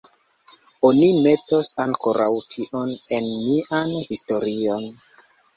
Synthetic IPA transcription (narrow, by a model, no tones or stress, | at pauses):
o̞nime̞tosaŋko̞ɾʔawtʰiʔo̞ne̞nmiʔanhisto̞ɾio̞n